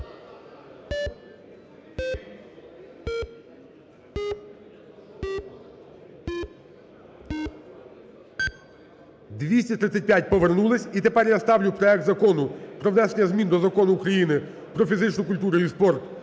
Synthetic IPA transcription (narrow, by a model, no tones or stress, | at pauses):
d̪ʲʋʲisʲtʲit̪ɾɪt̪sʲːɐt̚ʲpʲjat̚ʲpɔʋernulˠɪsʲit̪epɛrjast̪ɑwlʲʊpɾɔɛk̚t̪zɐkɔnʊpɾɔʋnɛʃenʲɐzmʲind̪ɔzɐkɔnʊːkɾɐjinɪ | pɾɔfʲizɪt͡ʃnʊkʊlʲt̪uɾʊispɔrt̪